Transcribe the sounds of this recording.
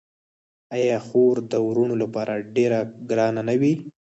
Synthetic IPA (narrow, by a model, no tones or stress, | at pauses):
ajɑxoɾd̪əwɾunolapɑɾʔaɖeɾaɡɾɑnanawi